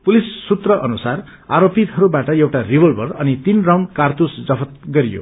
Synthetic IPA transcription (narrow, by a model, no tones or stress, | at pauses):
pulisːut̪rʌʔʌnusar | aɾopit̪ɦʌɾubaʈʌewʈaribʌlbʌrʌnit̪inrawɳkart̪usd͡zʌpʰʌt̪ɡʌɾijo̰